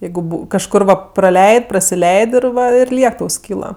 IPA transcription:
ˈjɛɪɡʊ kɐʃˈkʊr ʋɐ prɐˈlʲɛɪtʲ prɐsʲɪˈlʲɛɪtʲ ɪr ˈʋɐ ɪr ˈlʲiɛk ˈtɐʊ ˈsʲkʲiːlˠɐ

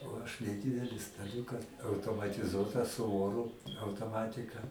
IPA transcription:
oː ˈɐʃ nʲɛˈdʲiːdʲɛlʲɪ stɐˈlʲuːkɐ ɐʊtoːmɐtʲɪˈzuɔtɑː sʊ ˈoːrʊ ɐʊtoːˈmɑːtʲɪkɐ

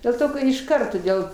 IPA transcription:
dʲeːlˠ ˈtoː kɐ ɪʃˈkɐrt toːˈdʲeːlˠ

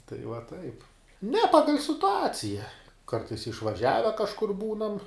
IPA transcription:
tɐɪ ʋɐ ˈtɐɪp nʲɛ ˈpɑːɡɐlʲ sʲɪtʊˈɑːt͡sʲɪjɛ ˈkɐrtɐɪs ɪʃʋɐˈʒʲæːʋʲɛ kɐʃˈkʊr ˈbuːnɐm

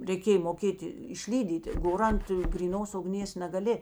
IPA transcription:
rʲɛɪˈkʲeːj moːˈkʲeːtʲɪ ɪʃʲˈlʲiːdʲiːtʲɪ ˈɡoːr ˈɐnt ɡrʲiːˈnoːs ʊɡˈnʲeːs nɐɡɐˈlʲɪ

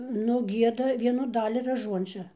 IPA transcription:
nʊ ˈɡʲiɛdɐ ˈʋʲiɛnʊ ˈdɑːlʲɪ rɐˈʒuɔnʲt͡ʃʲɛ

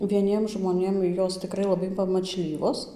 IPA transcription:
ʋʲiɛˈnʲiɛm ʒmoːˈnʲeːm ˈjoːs tʲɪˈkrɐɪ lˠɐˈbɐɪ pɐmɐt͡ʃʲˈlʲiːʋoːs

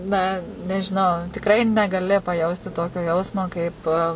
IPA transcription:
nɐ nʲɛʒʲɪˈnɐʊ tʲɪkˈrɐɪ nʲɛɡɐˈlʲɪ pɐˈjɛʊsʲtʲɪ ˈtoːkʲoː ˈjɛʊsmoː kɐɪp

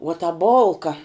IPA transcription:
uɔ tɐ ˈboːlˠkɐ

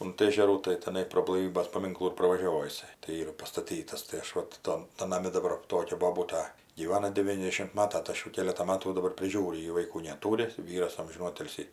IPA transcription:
ʊnt ˈeːʒʲɛruː tɐɪ tʲɛˈnɐɪ proː blˠɐɪˈʋʲiːbʲeːs pɐˈmʲɪŋklˠuː ɪr prɐʋɐˈʒʲoːʋoː jɪˈsɐɪ tɐɪ ˈiːrɐ pɐstɐˈtʲiːtɐs tɐɪ ˈɐʃ ˈʋɐt ˈtɐn tɐn nɐˈmʲɪ dɐˈbɐr ˈtoːkʲɛ boːˈbuːtɐ ɡʲiːˈʋɑːnɐ dʲɛˈʋʲiːnʲɛzʲdʲɛʃʲɪm ˈmɑːtɐ tɐɪ ˈɐʃ ˈjuː ˈkʲeːlʲɛtɑː ˈmɑːtuː jɛʊ dɐˈbɐr pʲrʲɪˈʒʲuːrʲʊ ˈjɪ ʋɐɪˈkuː nʲɛˈtuːrʲɪ ˈʋʲiːrɐs ˈɐmʲʒʲɪnuː ˈoːtʲɪlʲsʲiː

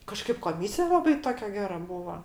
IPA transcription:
kɐˈʃkɐɪp koːˈmʲiːsʲɪjɛ ˈlˠɑːbɐɪ ˈtoːkʲɛ ˈɡʲæːrɐ ˈbuːʋɐ

